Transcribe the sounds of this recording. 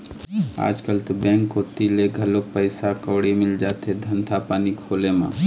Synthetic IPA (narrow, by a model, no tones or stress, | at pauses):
a̰ːd͡ʒkəlt̪obɛ̃ːŋkːot̪ileɡʱəlok̚pəɪsakəːɽimɪld͡ʒaːt̪ed̪ʱənt̪ʰapaːnikʰoːlemã̰